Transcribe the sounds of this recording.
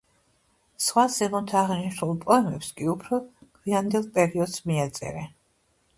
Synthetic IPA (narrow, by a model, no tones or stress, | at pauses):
sχwasɛmɔt̪ʰaːʁniʃnulˠpʼɔɛmɛpskʼiupʰɾɔkʰwiand̪ɛlˠt̪ʼɛɾiɔd̪z̥miat̪sʼɛ̰ɾɛ